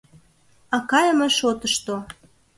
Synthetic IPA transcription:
ɑkɑjəmeʃot̪əʃt̪o

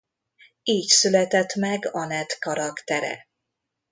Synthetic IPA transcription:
iːcsylɛt̪ɛt̪mɛɡɒnɛt̪kɒɾɒkt̪ɛɾɛ̰

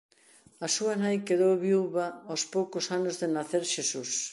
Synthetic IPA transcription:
ɐsuɐnajkeðowβiuβɐospowkʊsanʊzðenaθeɾʃesus

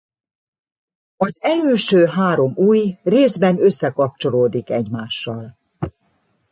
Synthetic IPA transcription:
ɒzɛløːʃøːɦaːɾo̞muːjreːzbɛnø̞sːɛkɒp̚t͡ʃo̞loːd̪ikɛɟmaːʃːɒl

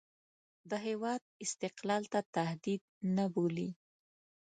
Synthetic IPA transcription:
d̪əɦewɑd̪̚ɪst̪ɪqlɑlt̪at̪ahd̪id̪̚naboli

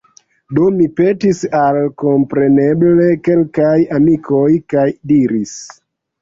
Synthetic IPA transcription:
do̞mipe̞tisalko̞mpɾe̞ne̞ble̞ke̞lkajamikʰo̞jkajdiɾis

